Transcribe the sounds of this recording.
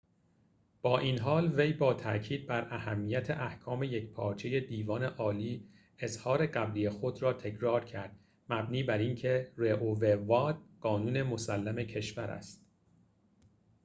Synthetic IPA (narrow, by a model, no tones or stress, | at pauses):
b̥ɒːʔiːnɦɒːlvejbɒːt̪ʰæ̰cʰiːd̪̚bæɾæhæmːiːjæt̪ʰe̞ʔæhkʰɒːme̞jecpʰɒːɾt͡ʃʰe̞je̞d̪iːvɒːneʔɒːliː | ezhɒːɾe̞ɢæblijexo̞d̪ɾɒːt̪ʰecʰɾɒːɾcʰæɾd̪̥ | mæbniːbæɾincʰe̞ɾeʔovevɒːd̪̥̚ɢ̥ɒːnuːnemosælːæme̞cʰe̞ʃvæɾæ̰st̪̚